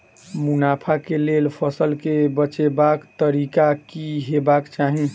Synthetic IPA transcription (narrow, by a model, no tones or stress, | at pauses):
munapʰakelelpʰəsəlkebət͡ʃebakt̪əɾikakiɦebakt͡ʃaɦĩ